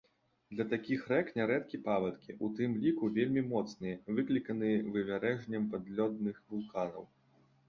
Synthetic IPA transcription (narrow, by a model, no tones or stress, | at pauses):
d̪lʲɐt̪akʲixrɛknʲɛɾɛt̪kʲipavɐt̪kʲiʔut̪ɨmlʲikuvʲelʲmʲimɔt̪snɨjɐvɨklʲikɐnɨjɐvɨvʲaɾɛʐnʲɐmpad̪lʲɔd̪̚nɨxvulˠkanɐ̰w